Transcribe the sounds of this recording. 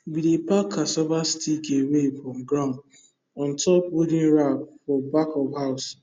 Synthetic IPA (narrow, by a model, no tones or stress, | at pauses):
bidepakʰːasɔbastikewefɾɔm̩ɡɾand | ɔ̃n̩tʰɔp̚wodĩnɾap̚fɔbakɔvɦaʊs